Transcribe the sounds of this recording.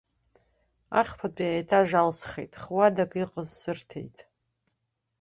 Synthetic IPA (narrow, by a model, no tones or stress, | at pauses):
a̰χpʰat͡pʼiajtʰaʒalsχḛjtʼχwadakʼiqʼəzsɨrtʰḛjtʼ